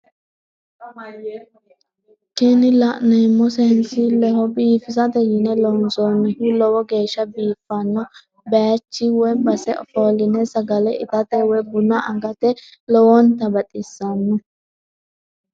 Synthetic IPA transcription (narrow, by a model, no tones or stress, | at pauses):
kɛnɪlɐʔnɛmːɔsɛhɛnsɪlɛhɔbiːfɪzɐd̪ɛjɪnɛlɔnsoːnːɛhʊlɔwɔɡe̞ːʃːɐbiːfːɐnːɔ | bɛjɐt͡ʃːɪwɛbɐsɛʔɔfoːlɪnɛsɐɡɐlɛʔɪt̪ɐt̪ɛwɔbʊnːɐʔɐɡɐt̪ɛlɔwɔnt̪ɐbɐt̪ʼɪsːɐnːɔ